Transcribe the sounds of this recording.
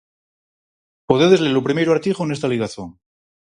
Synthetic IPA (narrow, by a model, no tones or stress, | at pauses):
poðeðezlelopɾime̞jɾoaɾt̪iχonest̪aliɣaθjo̰ŋ